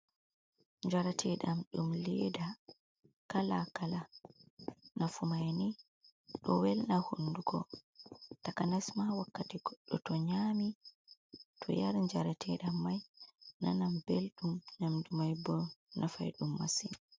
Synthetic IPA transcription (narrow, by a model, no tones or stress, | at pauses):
ɲd͡ʒaɾatʰɛɗamɗumlɛda | kalakala | nafumajni | ɗɔ̰wɛlnahunduɡɔ | takanasmawakːatiɡ̥ɔɗːɔtɔɲami | tʰɔ̰jaɾɲd͡ʒaɾatʰɛɗamːajna̰nambelɗumnamdumajbɔnʔafa̰jɗumːa̰sin